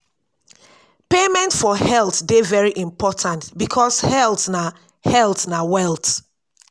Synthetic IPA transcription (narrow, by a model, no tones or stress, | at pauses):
pemɛ̃ntfɔhɛlˠtdevɛɹiʔĩmpʰɔtʰãntbikʰɔshɛlˠtna | hɛlˠtnawɛlˠt